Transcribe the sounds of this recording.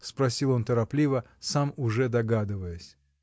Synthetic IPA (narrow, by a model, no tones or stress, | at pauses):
spɾɐsʲilˠo̞nt̪əɾɐplʲivə | samʊʐɛd̪ɐɡad̪ɨvəjəsʲ